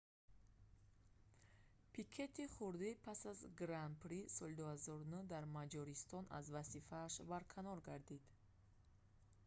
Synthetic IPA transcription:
pʰikʰe̞t̪ʰiχuɾd̪ipʰasazɡɾanpʰɾisɔlid̪uhazɔɾunud̪aɾmad͡ʒɔɾist̪ɔnʔa̰zvazifaːʃbaɾkʰanɔɾɡaɾd̪id̪

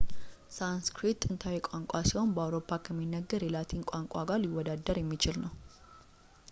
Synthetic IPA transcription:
sanskɾit̪ːɨnt̪ʰawɛkʷʼaŋkʷʼasiho̞nbəawɾo̞pʰːakʰəmːinːəɡːəɾjɛlat̪ʰinkʷʼaŋkʼaɡaliwːɔd̪ad̪ːəɾjɛmːit͡ʃɪlnəw

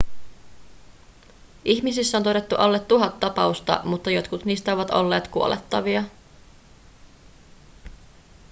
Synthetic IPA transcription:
ʔiçmisisːæont̪o̞ɾe̞t̪ːuʔɑlːet̪ːuɦɑt̪ːɑpɑust̪ɑ̰mut̪ːɑjo̞t̪kut̪niːst̪æoʋɑt̪o̞̰lːe̞ːt̪kuo̞lʔet̪ːɑʋiɑ

